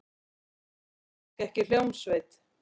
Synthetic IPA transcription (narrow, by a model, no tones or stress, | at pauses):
kɛhcɪl̥jowmsvejt̪